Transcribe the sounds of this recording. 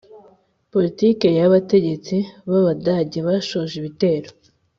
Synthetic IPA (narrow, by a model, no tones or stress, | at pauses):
po̞litiːke̞jaβate̞ɟe̞t͡siβaβadaɟeβaʃoʒiβite̞ːɾo